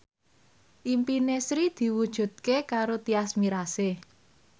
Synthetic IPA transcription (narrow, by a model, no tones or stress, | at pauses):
ʔimpinesɾid̪̥i̤wud̥ʒ̥ṳd̪̥̚kekaɾot̪iasmiɾase